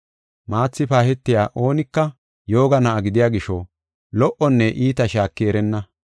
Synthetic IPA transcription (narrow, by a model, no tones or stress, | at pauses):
maːt͡sːɪpaːhɛt̪ːɪjaːʔo̞ːnɪkːɐ | jo̞ːɡɐnɐʔɐɡɪd̪ɪjaːɡɪʃɔ | lɔʔɔnːɛʔiːt̪ɐʃaːkːeɾɛnːɐ